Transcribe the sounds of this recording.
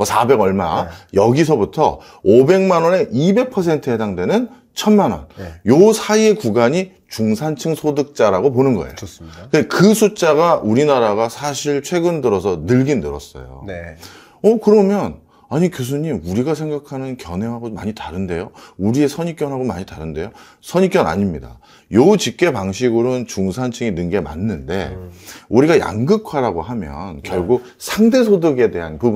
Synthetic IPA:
mʌsʰabe̞ɡʌɭma̰jʌɡisʰʌbutʰʌ̰ | obe̞ŋmanʌne̞ʔibe̞k̚pʰʌsʰe̞ntʰɯɦe̞daŋdwe̞nɯn | t͡ɕʰʌnmanwʌ̰njosʰaie̞kuɡaɲi | t͡ɕuŋsʰant͡ɕʰɯŋsʰodɯk̚t͡ɕ͈aɾaɡop̬onɯnɡʌ̰ḛjoskɯndekɯsʰut͡ɕ͈aɡauɾinaɾaɡasʰaɕʰiɭt͡ɕʰwe̞ɡɯndɯɾʌsʰʌnɯɭɡinːɯɾʌs͈ʌ̰jo̰n | ʌkɯɾʌmjʌn | aɲikjos̬ʰuɲimuɾiɡasʰe̞ŋɡakʰanɯnkjʌnɦe̞ɦaɡoma̰ɲitaɾɯnde̞jouɾie̞sʰʌɲik͈jʌnɦaɡomaɲitaɾɯnde̞jo | sʰʌɲik͈jʌna̰ɲimɲida̰ | jout͡ɕip̚k͈e̞paŋɕʰiɡɯɾont͡ɕuŋsʰant͡ɕʰɯŋinɯŋɡe̞ma̰nːɯnde̞̰uɾiɡaja̰ŋɡɯkʰwaɾaɡoɦamjʌ̰nkjʌɭɡuk̚sʰaŋde̞sʰodɯɡe̞de̞ɦankɯb

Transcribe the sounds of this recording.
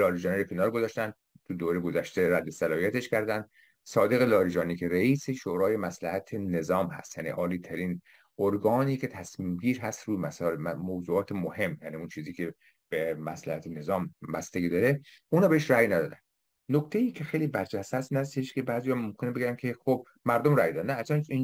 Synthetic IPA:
lɒːɾiːd͡ʒɒːniɾekʰenɒːɾɡozɒʃt̪ænd̪ | t̪ʰud̪oːɾeɡozæʃt̪e̞ɾæd̪ːe̞sælɒːhijæt̪e̞ʃkʰæɾd̪ænd̪̥ | sɒːd̪eɣelɒːɾiːd͡ʒɒːniːkʰeɾeiːse̞ʃoːɾɒːje̞mæslæhæt̪ʰene̞zɒːmhæ̰st̪jæ̰nḭʔɒːliːt̪ʰæɾiːn | ʔoɾɡɒːniːkʰe̞t̪ʰæsmiːmɟiːɾɦæst̪ɾuːjmæsɒːæmowzuːɒːt̪ʰemohe̞mːjæːniunt͡ʃʰiːziːkʲʰe̞ | b̥emæslæ̰hæt̪ʰene̞zɒːmbæst̪eɡʲiːd̪ɒːɾe | ʔunɒbeeʃɾæjnæd̪ɒːd̪ænd̪ | nokt̪ʰejiːkʰe̞xejliːbæɾd͡ʒæst̪hæst̪iːnhæs̬t̪eʃke̞bæːzijɒːmomkʰʲe̞nebe̞ɡʲænkʲʰe̞xob̥̚ | mæɾd̪omræjd̪ɒd̪ænæːd͡ʒæːnin

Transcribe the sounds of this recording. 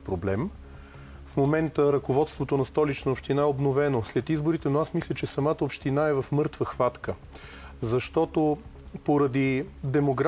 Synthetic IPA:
pɾoblɛm | fmomɛnt̪əɾɐkovɔt̪st̪vot̪onɐst̪ɔlit͡ʃnəopʃt̪inaɛobnovɛnoslɛt̪izboɾit̪ɛnoasmislʲət͡ʃɛsɐmat̪əopʃt̪inaɛvɐfmɤɾt̪vəxvat̪kə | zɐʃt̪ɔt̪o | poɾɐd̪id̪ɛmoɡɾ

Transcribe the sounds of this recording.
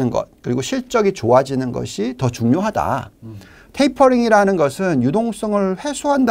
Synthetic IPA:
ɯnɡʌ̰t̚kɯɾiɡoɕʰiɭt͡ɕ͈ʌɡit͡ɕoad͡ʑinɯnɡʌ̰ɕʰitʌt͡ɕuŋɲoɦada̰ | tʰeipʰʌɾiŋiɾanɯnɡʌsʰɯnjudoŋs͈ʌŋɯɭɸwe̞sʰoɦand

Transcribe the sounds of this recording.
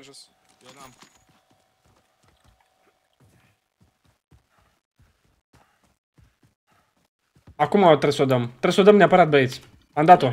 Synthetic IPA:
akumaot̪ɾesod̪əmt̪ɾesod̪əmnʲeapəɾat̪̚beit̪sʲ | amd̪at̪o

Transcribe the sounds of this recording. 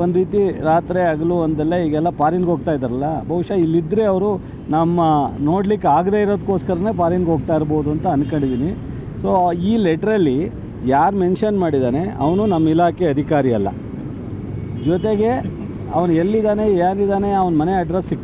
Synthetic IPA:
ond̪ɾiːt̪iɾaːt̪ɾeaɡɐluond̪ɐlːɐiːɡɛlːɐpaːɾinɡɦo̞ːɡ̚t̪aːjd̪aɾɐlːɐbʱɐʋuʂɐilːid̪ɾe̞ɐʋɐɾu | nɐmːɐno̞ːɽlikːaːɡd̪e̞iɾo̞ːd̪kːoːskɐɾɐne̞ːpaːɾinɡɦoːɡt̪aːiɾbo̞ːd̪uɐnt̪ɐɐnkɐɳɖid̪iːni | so̞ːiːleʈɐɾɐlːi | jaːɾme̞nʂɐnmaːɽid̪aːne̞ɐ̰ʋɐnunɐmːɐilaːkeɐd̪ʱikaːɾiɐlːɐ̰ | d͡ʒɔt̪e̞ɡe̞ | ɐ̰ʋɐnelːid̪aːne̞jaːnid̪aːne̞ɐʋɐnmɐneɐɖɾesːik

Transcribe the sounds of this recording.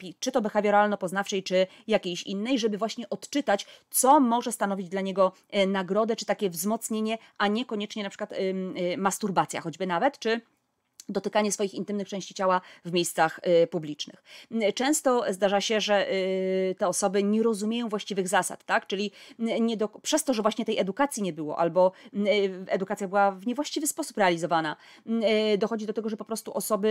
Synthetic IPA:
pʲit͡ʂɘt̪ɔbɛxavʲjɛɾalnɔpɔznafʂɛjt͡ʂɘ | jakʲejɕḭnːɛjʐɛbɘvwaɕɲɛʔɔt̪t͡ʂɘt̪at͡ɕt̪sɔmɔʐɛst̪anɔvʲid͡ʑd̪laɲeɡɔ | naɡɾɔd̪ɛt͡ʂɘ̥t̪akʲɛvzmɔt̪sɲeɲɛʔaɲɛkɔɲɛt͡ʂɲɛnapʂɘ̥kwat̪mast̪uɾbat̪sʲja̰xɔd͡ʑbɘnavɛt̪t͡ʂɘ | d̪ɔt̪ɘkaɲɛsfɔjixint̪ɘmnɘkt͡ʂɛ̃w̃ɕt͡ɕit͡ɕawavmʲejst̪saxpublʲit͡ʂnɘ̰xt͡ʂɛ̃w̃st̪ɔzd̪aʐaɕɛʐɛ | t̪ɛɔsɔbɘɲɛɾɔzumʲejɔ̃w̃vwaɕt͡ɕivɘɣzasa̰t̪ːakt͡ʂɘlʲiɲɛd̪ɔpʂɛst̪ɔʐɛvwaɕɲɛt̪ɛjɛd̪ukat̪sʲjiɲɛbɘwɔ̰ʔa̰lbɔ | ɛd̪ukat̪ʲjabɘwavɲɛvwaɕt͡ɕivɘspɔsupɾɛalʲizɔvana | d̪ɔxɔd͡ʑid̪ɔt̪ɛɡɔʐɛpɔpɾɔst̪uʔɔsɔbɘ

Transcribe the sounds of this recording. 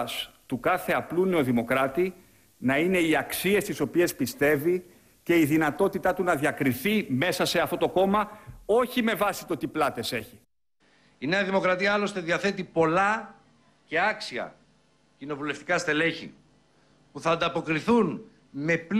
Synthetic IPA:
st̪ukɐθe̞ɐpluneo̞ðimo̞kɾɐt̪i | nɐine̞iɐksie̞st̪iso̞pie̞spist̪e̞vi | ce̞iðinɐt̪o̞t̪it̪ɐt̪unɐðjɐkɾiθime̞sɐse̞ɐft̪o̞t̪o̞ko̞mɐo̞çime̞vɐsi̥t̪ot̪iplɐt̪e̞se̞çi | ine̞ɐðimo̞kɾɐt̪iɐɐlo̞st̪e̞ðiɐθe̞t̪ipo̞lɐ | ce̞ɐksiɐ̰ | cino̞vule̞ft̪i̥kɐst̪e̞le̞çḭ | puθɐːnd̪ɐpo̞kɾiθun | me̞p

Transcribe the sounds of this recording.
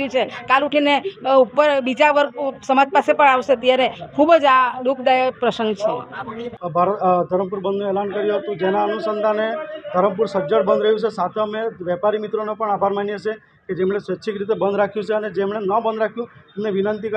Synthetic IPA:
ut͡ʃʰekaluʈʰineupəɾbid͡ʒaʋəɾksəmad͡ʒpasepəɳaʋʃeət̪jaɾekʰubd͡ʒaɖukʰd̪ajpɾəsənɡt͡ʃʰe | bʱaɾət̪d̪ʱəɾəmpuɾbənd̪nũelankəɾjũɦət̪ũd͡ʒenaənusənd̪ʱaned̪ʱəɾəmpuɾsəd͡ʒəɽbənd̪ɾəɦjũt͡ʃʰesat̪ʰeəmeʋjɛpaɾimit̪ɾonepəɳabʱaɾmanjet͡ʃʰe | ked͡ʒemɽ̃esʋeʃʰikɾit̪̬ebənd̪ʱɾakʰjũt͡ʃʰeəned͡ʒemɳenəbənd̪ɾakʰjũemneʋinənt̪ikə

